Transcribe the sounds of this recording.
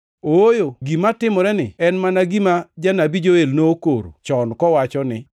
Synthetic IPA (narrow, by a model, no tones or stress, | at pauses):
ojoɡimatɪmɔɾɛnɪ̰ɛnmanaɡimad͡ʒanabid͡ʒoelnokoɾo̰t͡ʃɔnkɔwat͡ʃɔnɪ